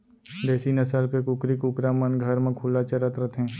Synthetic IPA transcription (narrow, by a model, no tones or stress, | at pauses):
d̪ɛːsinɐsəlkekʊkɾikʊkɾamənɡʱɐɾmẽkʰuːlat͡ʃɐɾət̪ɾət̪ɦɛ̃ː